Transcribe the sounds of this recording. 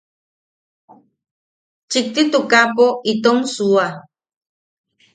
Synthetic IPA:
t͡ʃik̚t̪it̪ukapoit̪oŋsua

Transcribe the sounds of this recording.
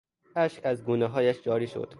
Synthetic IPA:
æʃkæzɡuːnɛɦɒːjæʃd͡ʒɒːɾiːʃo̰d̪̥

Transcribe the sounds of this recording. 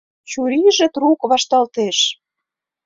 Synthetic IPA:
t͡ɕuɾiʒĕt̪rukβɑʃt̪ɑlt̪eʃ

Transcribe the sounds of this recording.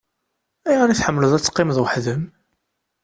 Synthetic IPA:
æjʁaɾiθħəmːləðˤæt͡sːqːɪməðˤwəħðəm

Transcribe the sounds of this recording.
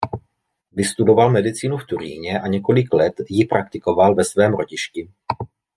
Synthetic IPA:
vɪst̪udo̞valmɛdɪt͡siːnuft̪uɾḭːɲɛʔaɲɛko̞lɪklɛt̪jɪpɾʔak̚t̪ɪko̞valvɛsvɛːmɾo̞ɟɪʃcɪ

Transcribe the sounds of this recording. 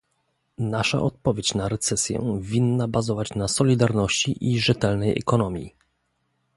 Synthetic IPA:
naʂa̰ʔɔt̪̚pɔvʲjet͡ɕnaɾɛt̪sɛsʲjɛ̰vʲinːabazɔvat͡ɕnasɔlʲid̪aɾnɔɕt͡ɕiʔiʐɛt̪ɛlnɛjɛ̰kɔnɔmʲjḭ

